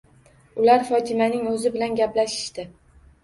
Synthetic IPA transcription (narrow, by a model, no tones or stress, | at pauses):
ʊlaɾfɒt̪ʰɪmanɪŋɵzɪbɪlanɡʲaplaʃɪ̥ʃt̪ɪ